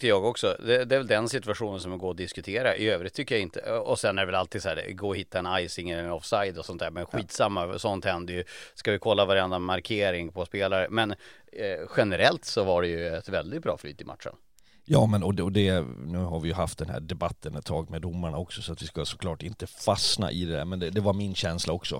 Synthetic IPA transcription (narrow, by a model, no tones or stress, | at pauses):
kːəjɑːɡɔksɔd̪ɛd̪ɛæɾvɛld̪ɛnsɪt̪ɵaɧuːnənsɔmɛɡoːɔd̪ɪskɵt̪ʰeːɾaʔɪ̰øːvɾɪt̪ʰːʏkːəjaɪnt̪ʰə̰ɔsɛnːæɖɛvɛlalt̪ʰiːd̪sæːɾɡoːɔhɪt̪ːaɛnajsɪŋːəlɛɔfsajd̪ɔsɔnt̪d̪æːɾmɛnɧiːt̪samːasɔnt̪hɛnd̪əjɵskavɪkʰɔlːavaɾɛnd̪amaɾkʰeːɾɪŋpʰɔspeːlaɾəmɛn | ɧɛnəɾɛlt̪sɔvaɖɛjɵɛt̪vɛld̪ɪt̪̚bɾɑ̰ːfly̰ːt̪ʰɪma̰t̪ʂə̰n | jɑːmɛnɔɔd̪ɛnʉ̟ːɦaɾvɪjɵɦaft̪̚d̪ɛnhæ̰ːɖɛbat̪ʰːənɛt̪ʰːɑːɡmɛd̪ʊmːaɳaɔksɔsɔat̪vɪskasɔ̥kʰlɑːʈɪnt̪əfasna̰ʔɪ̰d̪ɛd̪æ̰ːɾmɛnd̪ɛd̪ɛvaɾmɪnɕɛnslaɔksɔ̰